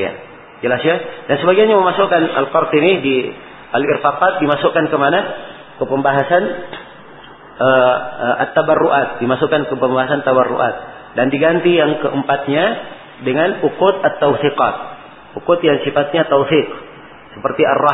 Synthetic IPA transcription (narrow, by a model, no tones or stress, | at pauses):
ja̰ | d͡ʒəlasɲadansəbaɡianɲaməmasokana̰lkɔrt̪inidi | ʔalɪ̰rfaqat̪̚dimasokankəmana | kəpəmbaɦasan | ʔəəʔa̰t̪ːabarːuʔat̪̚dimasukankəpəmbaɦasant̪abarːo̰ʔa̰t̪̚ | dandiɡant̪ijaŋkəʔəmpat̪̚ɲa | dəŋanukʊt̪at̪ːawθiqɑt̪̚ | ukʊt̪jaŋsifat̪̚ɲat̪awθiq | səpərt̪iʔa̰rɑ